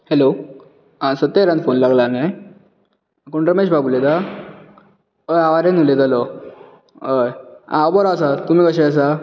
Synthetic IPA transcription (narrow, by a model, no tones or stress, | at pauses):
helo | asət̪ːeɾãnfonlaɡlanej | kuɳʈɾəmeɕbabuled̪a | əjaʋaɾenulet̪alɔ | əja̰bɔɾsat̪um̤iːkəɕaəs̬a